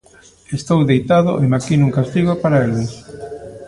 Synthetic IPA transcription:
est̪owðejt̪aðʊ̰ʔemakinuŋkast̪iɣopaɾaelɪs

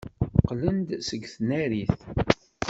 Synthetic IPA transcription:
qlənd̪səɡθnæɾiθ

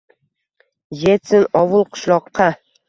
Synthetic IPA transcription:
jesɪnɒwʊlˠqʰʊ̥ʃlˠɒqʰːɑ

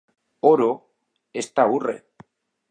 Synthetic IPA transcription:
oɾo | est̪aure̞̰

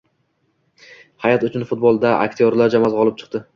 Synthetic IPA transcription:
hajat̪ʊt͡ʃʰʊnfʊt̪̚bolˠd̪aa̰k̚ʲt̪ʰijoɾlaɾd͡ʒamazʁɒlˠɪp̚t͡ʃʰɨ̥q̚t̪ɪ

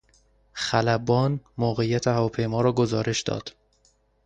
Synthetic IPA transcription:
xælæbɒːnmoːɣejæt̪ʰehævɒːpʰe̞jmɒːɾɒːɡozɒːɾe̞ʃd̪ɒ̰ːd̪̥

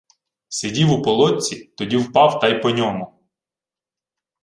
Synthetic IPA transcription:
sedʲiwʊpɔlˠɔt͡sʲit̪ɔdʲiwpɑwt̪ɑjpɔnʲɔmʊ

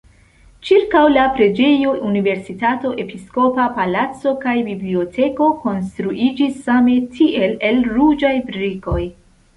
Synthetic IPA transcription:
t͡ʃiɾkawlapɾe̞d͡ʒe̞joʔunive̞ɾsitato̞ʔe̞pisko̞papalat͡so̞kajbiblio̞tʰe̞ko̞ko̞nstɾuʔid͡ʒisːame̞tʰiʔe̞le̞lɾud͡ʒajbɾiko̞j

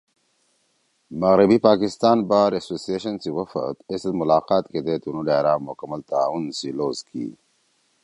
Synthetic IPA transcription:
mɐɣɾibipaːkɪst̪ɑːnbaːɾasosieʃɐnsiwɐfə̰t̪esd̪mʊlaːqɑːt̪ked̪et̪unud̪eɾaːmmʊkɐmalt̪aunsiloːzkʰḭ

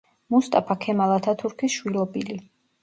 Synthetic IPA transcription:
must̪ʼapʰakʰɛmalˠat̪ʰat̪ʰuɾkʰisʃwilˠɔbili

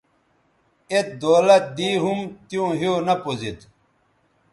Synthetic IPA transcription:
et̪̚d̪oːlɐt̪̚d̪iːɦumt̪jũːɦionɐpozit̪

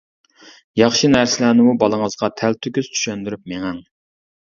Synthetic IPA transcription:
jɑχʃinæɾsɪlænɪmubɑlˠəŋəzʁɑt̪ʰælt̪ʰykʲyz̥t͡ʃ̪ʰy̥ʃønd̪yɾypmeŋæŋ

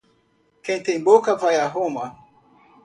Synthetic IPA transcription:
kent̪embokapʰajaɦoma

